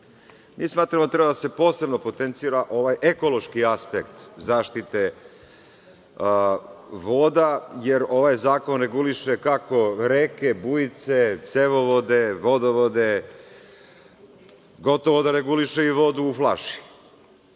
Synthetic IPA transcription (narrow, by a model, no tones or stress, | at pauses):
miːsmaːt̪ɾamot̪ɾebad̪ase̞po̞ːse̞bno̞po̞t̪ent̪siːɾaʔo̞ʋajʔeko̞lˠo̞ʃkiaspekt̪zaːʃt̪it̪e̞ | ʋoːd̪aje̞ɾo̞ʋajzaːko̞nɾe̞ɡuliʃekako̞ɾeːke̞bujit̪set̪seʋoʋod̪e̞ʋo̞d̪oʋod̪e | ɡo̞t̪o̞ʋo̞d̪aɾe̞ɡuliʃeiʋo̞d̪uːflˠaʃi̥